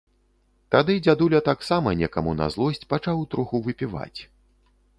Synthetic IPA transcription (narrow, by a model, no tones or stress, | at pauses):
t̪ad̪ɨd͡zʲad̪ulʲɐt̪aksamɐnʲɛkɐmuna̰zlˠɔsʲt͡sʲpat͡ʂawt̪ɾuxuvɨpʲiva̰t͡sʲ